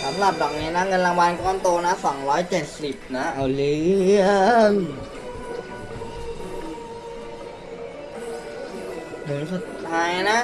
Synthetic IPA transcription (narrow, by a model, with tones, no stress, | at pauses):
sa˩˦mɾa˨˩p̚bɛː˨˩k̚niː˦˥na˦˥ŋɤ˧nlaː˧ŋwa˧nkɔː˥˩˨nt̪oː˧na˦˥sɔː˩˦ŋɾɔː˦˥jt͡ɕe˨˩t̪̚si˨˩p̚na˦˥ʔa˧˩wlɯ˦˥ən | lɯ˨˩˦nsu˨˩t̪ʰːaː˦˥jna˦˥